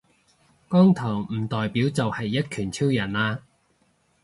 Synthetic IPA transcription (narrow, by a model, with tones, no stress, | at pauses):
kɔː˥ŋt̪ʰɐː˨˩wm̩ː˨˩t̪ɔː˨jpiː˨˥wt͡sɐ˨whɐ˨jːɐ˥t̚kʰyː˨˩nt͡sʰiː˥wjɐ˨˩nlaː˧